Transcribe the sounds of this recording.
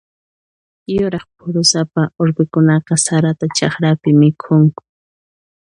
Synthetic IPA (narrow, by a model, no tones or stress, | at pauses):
jʊɾɑχp̚ʰʊɾʊsapaoɾbɪkʊnɑqɑsaɾat̪at͡ʃɑχɾapɪmɪkʰʊŋkʊ̥